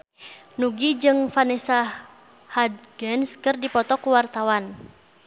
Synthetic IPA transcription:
nuɡid͡ʒɨŋfanɛsa | had̪ɡɛnskɨrdipɔt̪ɔkuwart̪awan

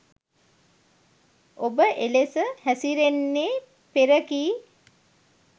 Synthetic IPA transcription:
obəʔelesəhæsiɾenːeː | peɾəkiː

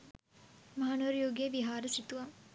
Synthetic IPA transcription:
maɦaːnuʋɐɾjoːɡiəʋiɦaːɾəsit̪uʋɐm

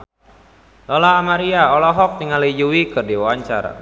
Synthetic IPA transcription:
lɔlaːmaɾiaɔlɔɦɔk̚niŋalijuwikɨrdiwawaɲt͡ʃa̰r̰

